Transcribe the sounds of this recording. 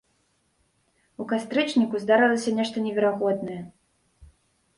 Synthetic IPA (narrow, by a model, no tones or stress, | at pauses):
ukast̪ɾɨt͡ʂnʲikuzd̪aɾɨlˠɐsʲɐnʲɛʂt̪ɐnʲɛvʲɛɾaɣɔd̪nɐjɛ